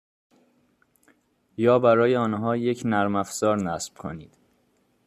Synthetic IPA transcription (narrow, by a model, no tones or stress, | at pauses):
jɒːbæɾɒːjeɒːnɦɒːje̞cʰnæɾmæfz̥ɒːɾnæsb̥kʰo̰niːd̪̥